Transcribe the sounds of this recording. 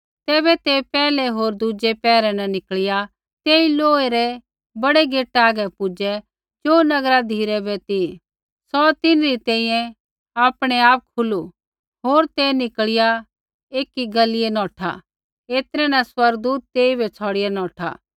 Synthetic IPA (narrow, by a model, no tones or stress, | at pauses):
t̪ɛːβɛt̪epɛːlɛɦoːɾd̪ʊd͡ʒepɛːɾɛ̃nɛnɪkɭɪja | t̪eːiloːeɾɛ | bɐɽeɡeːʈaːɡɛpʊd͡ʒɛ | d͡ʒoːnɐɡɾad̪ʱiːɾɛbɛt̪i | sɔt̪ɪnɾit̪ɛ̃ːĩjɛ̃ | aːpɽ̃ɛaːp̚kʰʊlu | ɦoːɾt̪enɪkɭɪja | eːkiɡɐlɪjɛnɔ̃ːʈʰa̰ | eːt̪ɾɛnaswɐɾɡ̚d̪uːt̪̚ːeːibʱɛt͡sʰɔːɽɪjɛnɔ̃ːʈʰa̰ː